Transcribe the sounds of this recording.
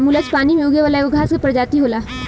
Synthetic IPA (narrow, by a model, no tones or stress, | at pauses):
mʊlət͡ʃpaːnimejoːɡjeʋaːlaeoɡʱaːsepɐɾd͡ʒaːt̪iɦoːlaː